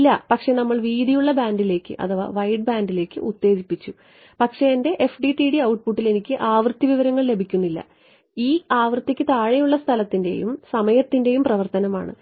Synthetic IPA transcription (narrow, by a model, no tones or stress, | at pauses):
lːɐpɐkʂe̞nɐmːɐɭʋiːd̪ijuɭːɐbaːnɖile̞ːkʲːɨ̰ʔɐ̰ðɐʋa̰ːʋɐjɖ̚baːnɖile̞ːkːɨ̰ʔut̪ːe̞ːd͡ʑipːit͡ɕːu | pɐkʂe̞ende̞ʔefɖiʈiɽiɐwʈ̚puʈːile̞nikʲːɨʔaːʋrɨt̪ːiʋiʋɐɾɐŋːɐɭle̞bʱikʲːunːilːɐ̰ | iːaːʋrɨt̪ːikʲːɨt̪aːɻejuɭːɐst̪ʰɐlɐt̪ːinde̞̰jumsɐmɐjɐt̪ːinde̞jumprɐʋɐrt̪ɐnɐma̰ːɳɨ̰